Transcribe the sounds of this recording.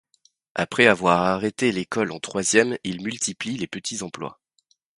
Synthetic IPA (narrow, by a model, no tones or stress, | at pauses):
a̰pχɛavwaʁaʁet̪elekɔlɑ̃t̪χwazjɛmilmylt̪ʰiplilepət̪ʰizɑ̃plwa̰